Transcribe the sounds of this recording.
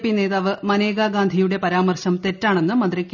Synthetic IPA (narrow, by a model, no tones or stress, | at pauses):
pːine̞ːðaːʋɨmɐneːɡaːɡaːnd̪ʱijuɽe̞pɐɾaːmɐrɕɐmt̪e̞tːaːɳe̞nːɨmɐd̪rikʲː